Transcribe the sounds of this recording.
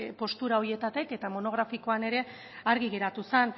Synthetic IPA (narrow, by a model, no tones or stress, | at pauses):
po̞st̪uɾaoɾie̞t̪at̪ike̞t̪amo̞no̞ɣ̞ɾafiko̞ane̞ɾe̞ | aɾɣiɣ̞e̞ɾat̪usen